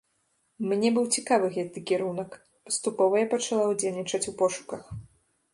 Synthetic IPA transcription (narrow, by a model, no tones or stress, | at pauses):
mnʲɛbɨwt͡sʲikavɨɣɛt̪ɨkʲɛɾunɐk | pɐ̥st̪upɔvɐjapɐt͡ʂalˠawd͡zʲelʲnʲit͡ʂɐt͡sʲupɔʂu̥kɐx